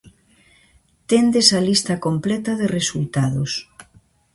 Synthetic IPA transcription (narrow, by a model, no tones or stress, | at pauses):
t̪end̪esɐlist̪ɐkomplɛt̪ɐðeresult̪aðos